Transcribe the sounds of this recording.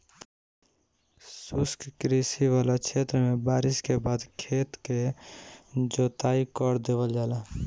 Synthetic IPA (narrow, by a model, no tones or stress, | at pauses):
sʊskkɾisiʋaːlat͡ʃʰet̪ɾəmẽbaːɾɪskebaːd̪kʰeːt̪ke | d͡ʒoːt̪aikɔɾd̪eːʋəld͡ʒaːlaː